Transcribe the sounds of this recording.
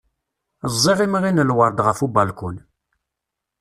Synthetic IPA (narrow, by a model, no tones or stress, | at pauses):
əzˤːiʁimʁinəlwəɾˤd̪ʁəfubɑlkun